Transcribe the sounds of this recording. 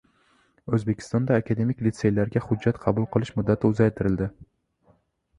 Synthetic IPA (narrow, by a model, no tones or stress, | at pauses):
ɵzbekʲʰɪ̥st̪ɒnd̪aːkʰad̪e̞mɪkʲlɪt̪se̞jlaɾɡʲaχʊd͡ʒːat̪qʰɑbʊlˠqʰɨlˠɪʃmʊd̪ːat̪ʰɪʊzajt̪ʰɪɾɪld̪ɪ